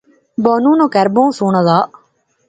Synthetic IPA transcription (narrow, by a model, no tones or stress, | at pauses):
bɔːnũːnõːkɛɾbõːsuːɳ̃ãd̪aː